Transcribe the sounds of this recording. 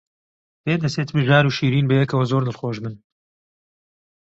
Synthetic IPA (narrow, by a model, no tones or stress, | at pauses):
b̥eːd̪ɐseːt̪ɨmɨʒaːɾuːʃiːɾiːnbɐjɛkɐwɐzoːɾnɨlxoːʒmɨn